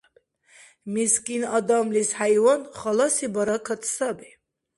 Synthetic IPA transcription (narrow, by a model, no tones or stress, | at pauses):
miskʼinad̪amlishajwɔnχalasibaɾakʰat̪ʰsabɛ